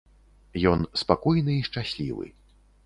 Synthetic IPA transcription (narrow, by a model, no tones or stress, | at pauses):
jɔnspakɔjnɨiʂt͡ʂasʲlʲḭvɨ̰